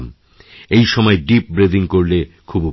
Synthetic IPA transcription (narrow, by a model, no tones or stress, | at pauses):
m | ejʃɔmɔeɖip̚bɾed̪ʱiŋkoɾlekʰub